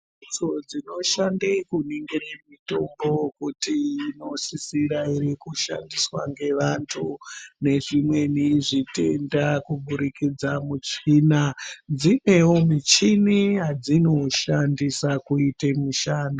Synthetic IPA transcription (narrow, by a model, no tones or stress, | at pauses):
d͡zod͡zino̞ʃandekuniŋɡeɾemito̞mbo̞kutiːno̞sisiɾaiɾikuʃa̰ndiswaŋɡe̞ʋantʰune̞ʐimwe̞niʐite̞ndakuɓuɾikid͡zamut͡ʂinad͡zine̞wo̞mit͡ʃiniɦad͡zino̞ʃandisakuitemuʃaːno